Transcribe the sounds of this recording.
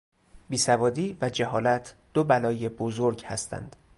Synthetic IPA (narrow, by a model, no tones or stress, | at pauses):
biːsævɒːd̪iːvæd͡ʒeɦɒːlæt̪ʰd̪̥obælɒːje̞bozoɾɟhæ̰st̪ʰæ̰nd̪̥